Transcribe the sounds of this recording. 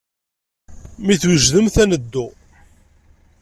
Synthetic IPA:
miθwəʒðəmθænəd̪ːu

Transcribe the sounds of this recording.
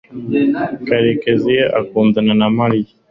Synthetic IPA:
kaɾekezieʔa̰kuːnd̪ananamali

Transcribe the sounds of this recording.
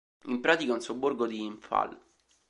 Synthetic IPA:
impɾaːt̪ikaunsobːorɡod̪iːɱfa̰l

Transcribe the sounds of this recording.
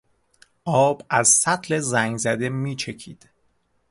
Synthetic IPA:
ʔɒːb̥æzsæt̪ʰle̞zæŋɡzæd̪emiːt͡ʃʰe̞cʰḭːd̪̥

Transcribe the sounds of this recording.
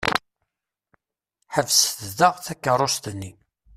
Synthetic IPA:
ħəvsθðəʁθækːərˤːost̪nːi

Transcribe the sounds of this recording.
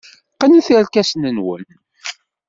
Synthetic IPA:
qənθəɾkæsnənwə̰n

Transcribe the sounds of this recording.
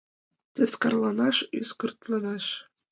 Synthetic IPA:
tʲɘ̆sʲkɑrlˠɑnɑʂy̰skɤ̆rt̪lˠɑnɑʂ

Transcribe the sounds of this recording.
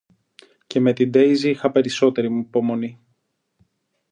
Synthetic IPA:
ce̞me̞t̪id̪e̞iziixɐpe̞ɾiso̞t̪e̞ɾimupo̞mo̞ni

